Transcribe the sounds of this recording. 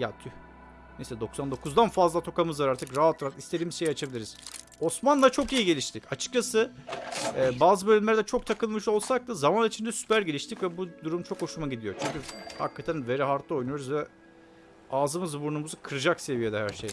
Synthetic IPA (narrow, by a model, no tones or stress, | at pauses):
jat̪ʰy | nesʲɛd̪o̞ksand̪okʰuzd̪anfazlˠat̪ʰo̞kamɯzvaɾaɾt̪ʰɯkɾaat̪ʰːɾaɾt̪ist̪ed̪iːmizʃe̞jiat͡ʃʰabiiɾiz̥ | o̞smanlˠat͡ʃʰo̞kijiɟe̞lʲiʃt̪ʰicat͡ʃʰɯ̥k̚t͡ʃʰasɯ | ɛːbaːzɯbø̞lʲymlʲæɾd̪ɛt͡ʃʰo̞k̚t̪ʰakɯlˠmɯʃo̞lˠsak̚t̪azamanit͡ʃʰind̪ɛsy̥pæɾɟe̞lʲiʃt̪ʰicvɛbud̪uɾumt͡ʃʰo̞kho̞ʃumaɟid̪ijot͡ʃʰyɲʲcʲyha̰kʰːat̪ʰænve̞ɾiɦaɾt̪ʰˠɯo̞jnujo̞ɾuzvɛ | aːzɯmɯzbuɾnumuzukʰɯɾɯd͡ʒakse̞vijed̪ɛhæɾʃej